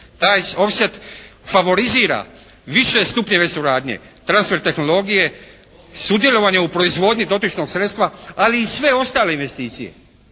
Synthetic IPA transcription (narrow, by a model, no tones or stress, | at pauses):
t̪aːjo̞pset̪faʋo̞ɾiziːɾa̰ | ʋiʃe̞st̪upɲe̞ʋe̞suɾaːd̪ɲḛ | t̪ɾansfe̞ɾt̪e̞xno̞lˠo̞ɡije̞ | sud̪je̞lˠo̞ʋaɲeupɾo̞izʋo̞ːd̪ɲid̪o̞t̪it͡ʃno̞ɡsɾet̪st̪ʋaaliːsʋe̞o̞st̪aːle̞inʋe̞st̪iːt̪sḭje̞̰